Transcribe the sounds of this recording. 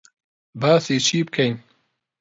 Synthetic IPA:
baːseːt͡ʃʰiːbkʰɛjn

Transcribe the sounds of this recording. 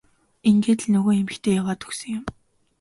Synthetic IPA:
iŋɡeːt̪̆ɮnɵɣoːxemɘ̆xt̪ʰeːjawaːt̪ʰɵ̥xsɵ̆ŋjʊm

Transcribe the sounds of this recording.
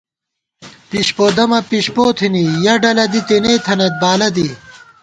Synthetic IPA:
piɕpoːd̪ɐmɐpiɕpoːt̪ʰinijɐɖɐlɐd̪it̪eneːt̪ʰɐnet̪̚baːlɐd̪i

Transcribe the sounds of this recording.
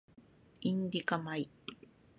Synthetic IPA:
ɪnd̪ikamaj

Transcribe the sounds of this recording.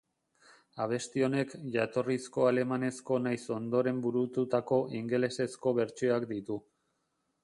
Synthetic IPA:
aβ̞e̞st̪io̞ne̞kʝat̪o̞risko̞ale̞mane̞sko̞najso̞nd̪o̞ɾe̞mbuɾut̪ut̪ako̞ʔiŋɡelese̞sko̞βe̞ɾt͡ʃioakd̪it̪u

